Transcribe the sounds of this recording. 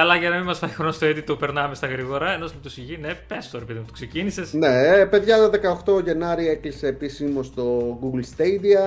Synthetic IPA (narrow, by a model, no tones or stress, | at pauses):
ɐlɐʝɐnɐmimɐsfɐi̥xonost̪oet̪it̪opeɾnɐmest̪ɐɣɾiɣo̞ɾɐenosmut̪usiʝinepest̪oɾepeðimut̪ksecinise̞sne̞pe̞ðʝɐt̪ɐðe̞kɐoxt̪o̞ʝe̞nɐɾieklise̞ːpisimo̞st̪o̞ɡuɡlst̪ejd̪iɐ